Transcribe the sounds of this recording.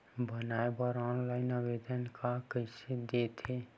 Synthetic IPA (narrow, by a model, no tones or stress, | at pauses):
bənaːebəɾɔːnlaːɪnəʋeːd̪ənkʰakəsed̪et̪ʰe